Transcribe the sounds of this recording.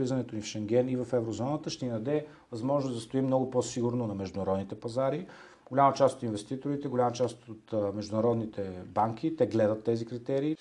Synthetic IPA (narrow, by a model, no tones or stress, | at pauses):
lizɐnɛt̪onifʃɛŋɡʲɛnivɐfɛvɾozɔnət̪əʃt̪ɛnid̪ɐd̪ɛ | vɐzmɔʒnʊzd̪ɐst̪oimnɔɡʊposiɡʊɾnonɐmɛʒd̪ʊnɐɾɔd̪nit̪ɛpɐzaɾi | ɡolʲamət͡ʃast̪o̥t̪invɛst̪it̪oɾit̪ɛɡolʲamət͡ʃast̪ot̪mɛʒd̪ʊnɐɾɔd̪nit̪ɛbaŋkʰʲit̪ɛɡlɛd̪ət̪ːɛzikɾit̪ɛɾiː